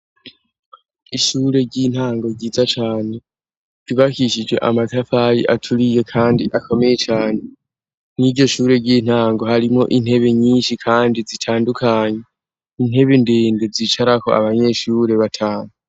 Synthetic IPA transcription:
iʃuːɾe̞ɟin̥haːŋɡo̞ɾɟiːzat͡ʃaːne̞̥ | iβakiʃid͡ʒwe̞̰ʔamatafaɾḭʔatʰuɾije̞kʰaːndiʔakʰo̞me̞je̞t͡ʃaːne̞ | niɾɟo̞ʃuːɾe̞ɟiːn̥haːŋɡo̞haɾimo̞ʔin̥he̞βe̞ɲiːnʃikʰaːndizitʰaːndukʰaːɲe | in̥he̞βendeːndezit͡ʃaɾako̞̰a̰βaɲe̞ʃuɾe̞βatʰaːno

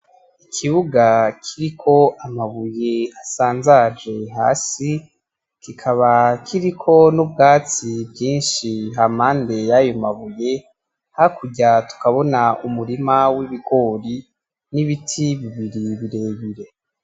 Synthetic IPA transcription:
ikʰiβuɡakʰiɾikʰo̞ʔamaβujeasaːnzad͡ʒe̞ɦa̰ːsi | kikʰaβakʰiɾikʰo̞nubɡaːt͡sibjiːnʃiɦamhaːnde̞jajomaβuje̞ | hakuɟatu̥kaβo̞naumuɾimawiβiɡo̞ːɾi | niβitʰiβiβiɾiβiɾe̞ːβiɾe̞

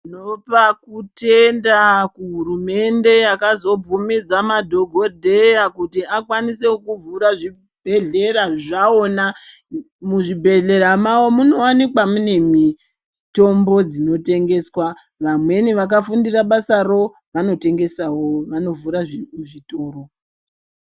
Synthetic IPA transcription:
inopakute̞ndakuɦurume̞nde̞jakazo̞b͡vumid͡zamadʱo̞ɡʱo̞dʱe̞jakutiakwaniseokuvuɾaʐi | bʱe̞ɮe̞raʐao̞na | muʐibʱe̞ɮe̞ramawo̞muno̞wanikwamune̞mi | to̞mbo̞d͡zino̞te̞ŋɡe̞swa | ʋamwe̞niʋak̬afundiraɓasaro̞ | ʋano̞te̞ŋɡe̞sawo̞ʋano̞vuɾaʐuʐito̞ːɾo̞

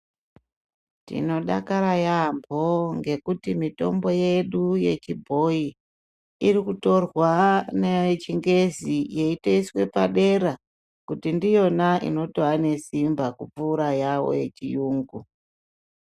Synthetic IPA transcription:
tḭno̞ɗa̰kaɾajambʱo̞ŋɡe̞kutimito̞̰mbo̞je̞ɗuje̞̰t͡ʃibʱo̞i | irikuto̞rwanet͡ʃiŋɡe̞zijeiteiswe̞paɗe̞ɾa | kutindijo̞naʔḭno̞toane̞simbakup͡fuːɾajawo̞̰je̞t͡ʃijuːŋɡu

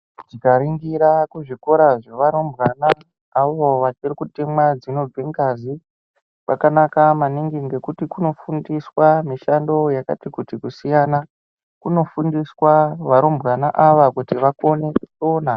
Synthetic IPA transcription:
tikaɾiŋɡiɾakuʐiko̞ɾaʐoʋaɾombɣanaː | ʋoʋat͡ʃirikutimwad͡zino̞b͡viŋɡazi | pakanakamaniŋɡiŋɡe̞kutikuno̞fundiswamiʃando̞jaka̰tikutikusijana | kuno̞fundiswaʋaɾombɣanaʔaʋakutiʋako̞nesona

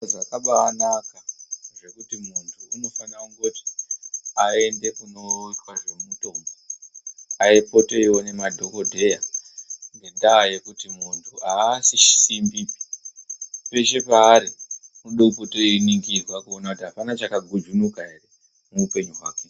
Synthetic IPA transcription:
zakaɓaːnakaʐe̞kutimuntʰuːno̞fanauŋɡoti̥ | ae̞nde̞kuno̞itwaʐe̞mumuto̞ːmbo | aeipo̞to̞iwo̞ne̞madʱo̞ko̞dʱe̞ja | ŋɡe̞ɗaːje̞kutimuntʰuaːsiʃi̥simbi | pe̞ʃe̞paːɾimuɗopo̞to̞iniŋɡirwakuonakutiɦapanat͡ʃakaɡʱud͡ʒunukaire | muupe̞ɲuɦwaːke

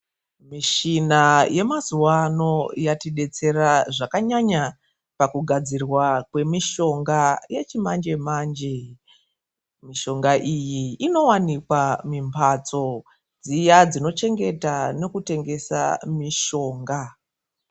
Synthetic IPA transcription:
miʃinaje̞mazuwano̞jatiɗe̞t͡se̞raʐakaɲaɲa | pakuɡʱad͡zirwakwe̞miʃo̞ŋɡaje̞t͡ʃimand͡ʒe̞maːnd͡ʒe | miʃo̞ŋɡaʔijiːno̞wanikwamimpʰat͡so̞ | d͡zijad͡zino̞t͡ʃe̞ŋɡe̞tane̞kute̞ŋɡe̞sa̰miʃo̞ːŋɡa

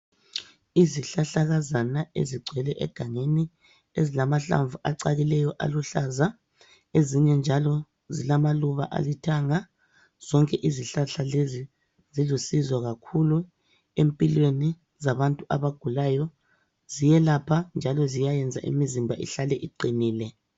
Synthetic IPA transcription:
iziɬaɬaɣazanaḛziɡ͡ǀʱwɛlɛʔɛ̰ɡ̥ʱaŋeni | ezilamaɬa̰ɱvuʔaǀaɣilɛjɔʔa̰luɬaza | eziɲɛnd͡ʒʱalɔ | zilamaluβa̰ʔa̰litʰaŋa | z̥ɔŋkʼɛʔiziɬaɬalezi | zizusizwaɣakʰulu | empʼilweni | zaβantʼuʔaβaɡ̥ʱulajɔ | z̥ijɛlapʰand͡ʒʱalɔzijajɛnd͡zʱa̰ʔḭmizimbʱaʔḭɬalɛʔiǀiniːlɛ

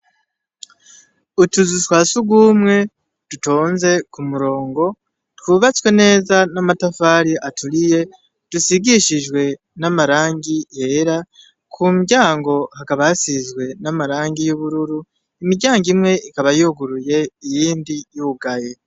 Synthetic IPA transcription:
utuzutwaːsuɡwuːmŋe̞ | d̥uto̞ːnze̞kumuɾo̞ːŋɡo̞ | twuːβat͡swe̞ne̞ːzanamatafaɾiʔatulije̞ | d̥usiɡiʃiʒwe̞ | namaɾaːŋɡije̞ɾa | kʰumiɟaːŋɡo̞hakaβajasizɡwe̞namaɾaːŋɡijuβuɾuɾu | imiɟaːŋɡimŋe̞ʔikaβajoɡuɾuje̞ijiːndijuɡaje̞

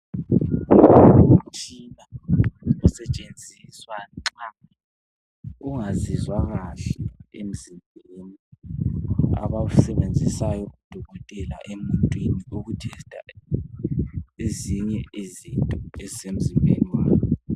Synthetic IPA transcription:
um̩t͡ʃʼina | ɔsɛt͡ʃʼend͡zʱiswaŋ͡ǀa | uŋazizwaɣaɬɛem̩zimbʱeni | a̰βausɛβend͡zʱisajɔud̥ʱɔɣɔtʼɛla̰ʔemuntʼwiniuɣutʰɛstʼa | eziɲɛʔezintʼɔɛzisem̩zimbʱḛniwaːnɔ

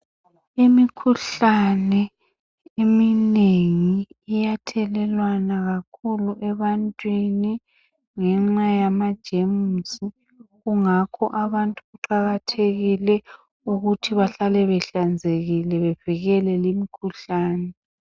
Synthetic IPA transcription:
imikʰuɬanɛ | emineŋiːjatʰɛlɛlwanaɣakʰuluʔɛβantʼwini | ŋɛŋ͡ǁajamad̥ʒ̥ʱemusi | ɣuŋakʰɔʔaβantʼuɣuǃaɣatʰeɣilɛ | uɣutʰiβaɬalɛβɛɬand͡zʱeɣilɛβev̥iɣɛlɛlimikʰuɬaːnɛ

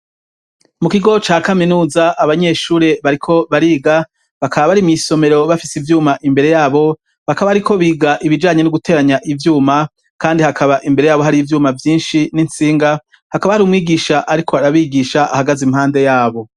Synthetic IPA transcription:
mukiɡo̞t͡ʃaːkaminuːzaʔaβaɲe̞ʃuːɾe̞βaɾikʰo̞βaɾiːɡa | βakʰaβaβaɾimŋiso̞me̞ɾo̞βafisivjuːmaʔimbe̞ɾe̞jaːβo̞ | βakaβaaɾikʰo̞βiːɡaʔiβid͡ʒaːɲe̞nuɡute̞ːɾaɲaʔivjuːma | kaːndihakʰaβaʔimbe̞ɾe̞jaːβo̞ɦaɾivjuːmavjiːnʃininsiːŋɡa | hakaβahaɾuːmŋiːɡiːʃaʔaɾikʰo̞aɾaβiːɡiʃaʔahaɡazimhaːnde̞jaːβo̞

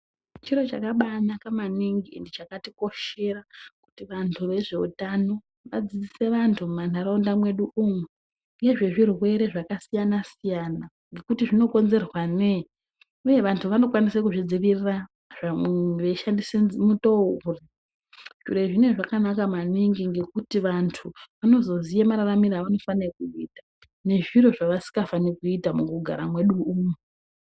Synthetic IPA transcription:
t͡ʃiɾo̞t͡ʃakaɓanakamaniŋɡḭndit͡ʃakatiko̞ʃe̞raku̥tiʋantʰuʋe̞ʐe̞ṵtano̞ | ʋa̰d͡zid͡zise̞ʋantʰumanaɾaondamwe̞ɗuʔumwe | ŋɡeʐeʐirwe̞ɾe̞ʐakasijanasijana | ŋɡe̞kutiʐino̞ko̞nze̞rwane | uje̞ʋantʰuʋano̞kwanisekuʐid͡ziʋirira | ʐ̥ameʋeʃandisemutouri | ʃuɾeʐine̞ʐakanakamaniŋɡiŋɡe̞kutiʋantʰuʋano̞zo̞zijamaɾaramiɾaʋano̞fanekuiːtḁ | ne̞ʐiro̞ʐaʋasi̥ŋɡafanekuitamukuɡʱa̰ɾamwe̞ɗuuːmu

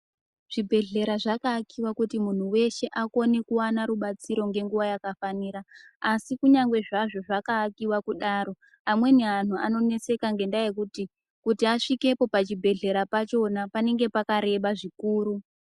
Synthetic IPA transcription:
ʐ̥ibʱe̞ɮe̞ɾaʐakaːkiwakutimun̤uwe̞ʃe̞ʔako̞nekuwanaɾuɓat͡siɾo̞ŋɡe̞ŋɡuwajakafaniːɾaasikuɲaŋɡwe̞ʐaʐo̞ʐakaːkiwakuɗaːɾo̞ | amwe̞neɦan̤ua̰no̞ne̞se̞kaŋɡe̞ndajekuti | kutiaʂike̞po̞pat͡ʃibʱe̞ɮe̞ɾapat͡ʃo̞napane̞ŋɡe̞pakaɾe̞ɓaʐikuːɾu

